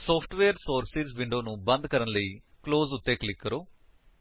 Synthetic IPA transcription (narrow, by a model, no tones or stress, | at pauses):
soːpʰʈʋeːɐɾsoːɾsisʋiɳɖoːnubɐnd̪ʱɐkɐɾɐnli | klo̞ːzut̪ːeːklikːɐɾu